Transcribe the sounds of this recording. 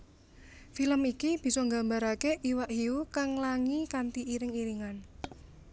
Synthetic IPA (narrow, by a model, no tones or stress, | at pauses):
filəmikib̥i̤sɔŋɡambaɾakeʔiwaʔɦiukaŋlaŋikant̪iiɾɪŋiɾiŋan